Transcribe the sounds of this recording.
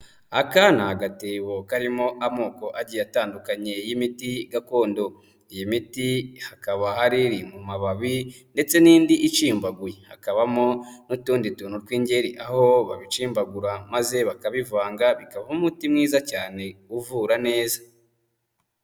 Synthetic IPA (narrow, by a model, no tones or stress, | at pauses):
akanahaɡateβokaɾimo̞ʔamoːko̞ʔaɟijataːndukaɲe̞jimitiɡako̞ːndo̞ | ijimitihakaβahaɾiɾimumaβaβi | nde̞t͡se̞niːndiʔit͡ʃiːmbaɡujehakaβamo̞nutuːnditunuɾkwiːɲɟe̞ɾiʔahoβa̰βit͡ʃiːmbaɡuɾamaze̞βakaβivaːŋɡaβikaβaumutimŋiːzacaːne̞uvuːɾane̞ːzḁ